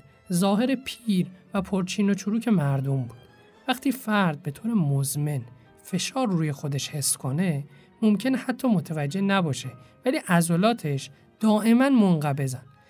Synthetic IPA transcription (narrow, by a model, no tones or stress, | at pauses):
zɒːɦe̞ɾe̞pʰiːɾvæpʰoɾt͡ʃʰiːno̞t͡ʃʰuɾuːcʰe̞mæɾd̪o̞mbuːd̪̥ | væxt̪ʰiːfæɾd̪̚be̞t̪ʰoːɾemozme̞n | fe̞ʃɒːɾːuːje̞xo̞d̪e̞ʃhe̞skʰo̞ne̞ | momcʰe̞nehæt̪ʰːɒːmot̪ʰævæd͡ʒːe̞næbɒːʃevæliːʔæzolɒːt̪ʰe̞ʃ | d̪̥ɒːʔe̞mænmoŋɢæbe̞zæn